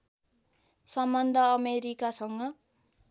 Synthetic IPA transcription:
sʌmːʌnd̪ʱʌːmeɾikasʌŋɡʌ

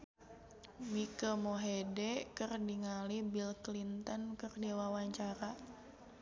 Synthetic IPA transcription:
mikəmoɦedɛkɨrdiŋalibilklint̪ɔnkɨrdiwawaɲt͡ʃaɾa

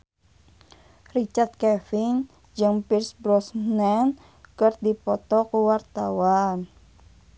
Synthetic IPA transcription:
rit͡ʃart̪̚kɛfin | d͡ʒɨŋpirsbɾɔsnɛn | kɨrdipɔt̪ɔkuwart̪awan

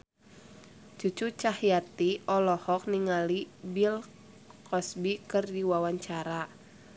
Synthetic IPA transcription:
t͡ʃut͡ʃut͡ʃahjat̪iɔlɔhɔk̚niŋalibil | kʰɔsbikɨrdiwawaɲt͡ʃaɾa

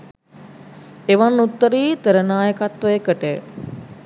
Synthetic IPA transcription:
eʋanːut̪ːəɾiːt̪əɾənaːjəkat̪ʋəjəkəʈə

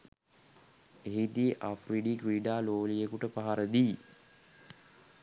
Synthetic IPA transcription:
eɦit̪ieʔafriɖikɾiːɖaːloːlijekuʈəpaɦaɾəd̪iː

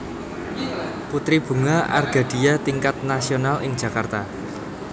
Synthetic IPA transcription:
put̪ɾib̥ṳŋaʔa̰rɡ̥a̤d̥i̤jat̪iŋkat̪̚nasionalɪŋd͡ʒ̥ä̤kart̪a

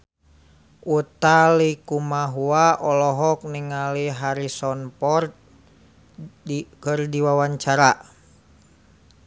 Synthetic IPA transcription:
ut̪alikumaɦuaʔɔlɔɦɔk̚niŋaliɦaɾisɔnpɔrt̪̚ | kərdiwawaɲt͡ʃaɾa

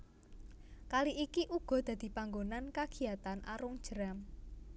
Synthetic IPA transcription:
kaliʔikiʔuɡ̥ɔ̤d̪̥a̤d̪̥i̤paŋɡonankaɡ̥i̤at̪anʔa̰ɾʊŋ̥ʒ̥əɾam

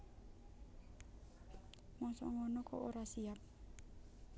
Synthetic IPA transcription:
ŋɔsɔ̰ŋɔnɔkɔʔoɾasiap̚

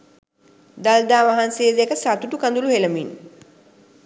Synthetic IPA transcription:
d̪ald̪aːʋaɦanseːd̪ekəsat̪uʈukand̪uluheləmin

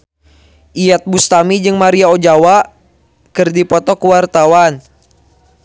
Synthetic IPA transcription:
ʔiat̪̚bust̪amid͡ʒɨŋmaɾiaod͡ʒawa | kɨrdipɔt̪ɔkuwart̪awan

